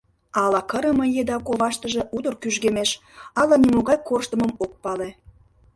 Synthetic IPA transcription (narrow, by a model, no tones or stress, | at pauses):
ɑlɑkəɾəməjed̪ɑkoβɑʃt̪əʒe̽ʔud̪ə̆rkyʒɡemeʃɑlɑnimoɣɑjkorʃt̪ə̆məmok̚pɑle